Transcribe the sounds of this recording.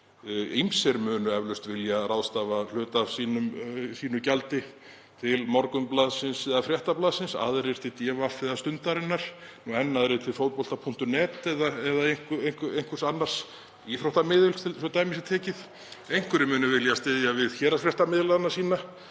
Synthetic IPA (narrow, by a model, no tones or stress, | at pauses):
imsɛɾmœːnʏɛvlʏst̪vɪljaɾawðst̪aːval̥ʏːt̪asiːnʏmsiːnʏcalt̪ɪ | t̪ʰɪlmɔɾkʏmplaːðsɪnsɛðafɾjɛht̪aplaːðsɪnsa̰ðɾɪɾ̥t̪ɪt̪jɛːvafɪðast̪ʏnt̪aɾɪnːaɾ̥nuɛnːaðɾɪt̪ʰɪlfowɾpɔl̥t̪apʰuŋ̥t̪ʏnɛːt̪ɛðaɛðaejŋkejŋ̥kejŋ̥kvʏ̥sanːar̥s | jɛθɾawht̪amɪːðʏl̥t̪ʰɪlfɔt̪aːjmɪsɪt̪ʰɛːcɪð | ejŋ̥kʏɾɪmʏːnʏvɪljast̪ɪðjavɪðçɛːɾafɾjɛht̪amɪðlaðnḁsiːna